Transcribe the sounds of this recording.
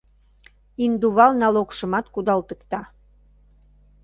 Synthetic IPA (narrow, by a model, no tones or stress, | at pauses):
ind̪uβɑlnɑlokʃəmɑt̪kud̪ɑlt̪əkt̪ɑ